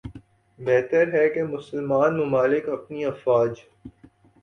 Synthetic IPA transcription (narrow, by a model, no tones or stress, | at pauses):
bɛːt̪əɾɦɛkemʊsəlmaːnmʊmaːlɪkɐpniɐfwaːd͡ʒ